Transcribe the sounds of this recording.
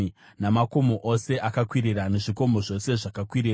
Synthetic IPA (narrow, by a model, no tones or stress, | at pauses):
namako̞mo̞ʔose̞ʔakakwiɾirane̞ʐiko̞mo̞ʐo̞se̞ʐakakwiɾiːra